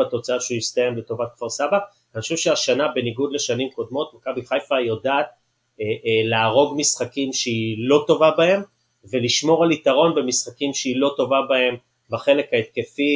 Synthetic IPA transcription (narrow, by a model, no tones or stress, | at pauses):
at̪o̞t͡saaʃeujist̪ajemlet̪o̞vat̪̚kvaʁsaba | nχoʃuvʃeaʃanabe̞niɡud̪le̞ʃanimko̞d̪mo̞t̪makabiχajfajo̞daːt̪̚ː | leːʁo̞ɡmisχakimʃeilo̞to̞vabae̞m | ve̞liʃmo̞ʁalit̪aʁo̞nbe̞misχakimʃeilo̞to̞vabae̞m | baχe̞le̞kaet̪̚ke̞fi